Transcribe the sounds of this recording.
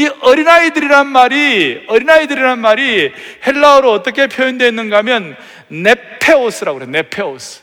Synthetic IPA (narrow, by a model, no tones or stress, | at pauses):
iʌɾinaidɯɾiɾanmaɾiʌɾinaidɯɾiɾanmaɾihe̞ɭːaoɾoʌt͈ʌkʰe̞pʰjoinde̞inːɯnɡamjʌnː | e̞pʰe̞os͈ʰɯɾaɡoɯɾene̞pʰe̞osʰɯ̥